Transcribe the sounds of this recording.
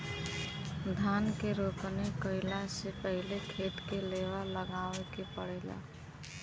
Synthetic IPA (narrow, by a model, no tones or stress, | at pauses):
d̪ʱankeɾoknekəɪlasepəɦlekʰeʈ̪keleʋaləɡaʋekepəɽɛla̰